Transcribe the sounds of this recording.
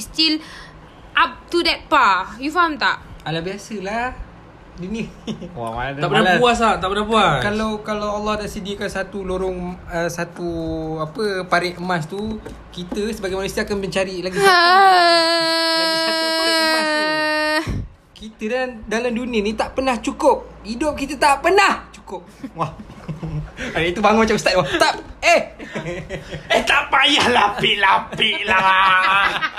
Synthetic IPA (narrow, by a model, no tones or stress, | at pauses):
st̪il | ʔap̚tudɛt̚pajufamt̪a̰ʔalahbiasəla | duniəa̰mad̪aʔpənalapuas̬aʔt̪aʔpənapuakalawkalawalːɔhdaʔsədiəkansat̪uloɾʊŋəsat̪uapəpaɾɪʔəmast̪u | kit̪əsəbaɡajmanusiaakanbəɲt͡ʃaɾilaɡi | a | kit̪əddalamdunĩənĩt̪aʔpənaht͡ʃukʊp̚idop̚kit̪ət̪aʔpənaht͡ʃu̥kʊp̚wah | adait̪ubaŋonmat͡ʃamst̪at̪waht̪apeh | əht̪aʔpajahlapiʔlappiʔlah